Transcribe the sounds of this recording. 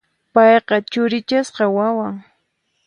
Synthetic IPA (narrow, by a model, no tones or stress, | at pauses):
pɑjqɑt͡ʃʊɾɪt͡ʃasqɑwawaŋ